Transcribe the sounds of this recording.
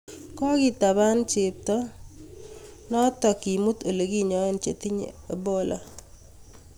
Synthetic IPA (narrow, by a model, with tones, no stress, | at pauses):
kɔ˦kɪ˦ta˨ba˦nt͡ʃe˨p̚tɔ˦ | nɔ˦tɔ˨ki˨mu˦t̪o˨le˨ɡi˦ɲɔ˨˦n˦t͡ʃe˨ti˦ɲḛ˨a˨bo˦lɔ˦